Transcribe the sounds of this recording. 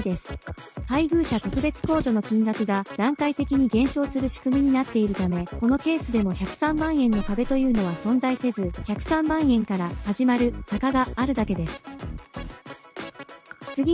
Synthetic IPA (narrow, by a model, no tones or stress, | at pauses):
d̪e̞sɨ̥haiɡɯ̟ːɕat̪o̞kɯ̟be̞t͡sɨ̥ko̞ːʑo̞no̞kʲĩŋɡakɯ̟ɡad̪̥ãŋkait̪e̞kʲiɲ̟iɡẽ̞ɰ̃ɕo̞ːsɨɾɯ̟ɕi̥kɯ̟mʲiɲ̟inat̪ːe̞iɾɯ̟t̪ame̞ko̞no̞ke̞ːsɨd̪e̞mo̞çʲakɯ̟̥sãmːãɰ̃ẽ̞nːo̞kabe̞t̪o̞jɯ̟ːno̞β̞asõ̞nd͡zaise̞zɨçakɯ̟̥sãmːãɰ̃ẽ̞ŋkaɾahaʑimaɾɯ̟sakaɡaːɾɯ̟d̪ake̞d̪e̞sɨ̥ | t͡sɨɡʲi